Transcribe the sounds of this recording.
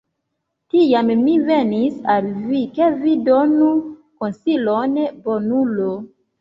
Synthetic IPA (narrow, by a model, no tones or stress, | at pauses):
tijammive̞nisalvikevidonukonsilonbonulo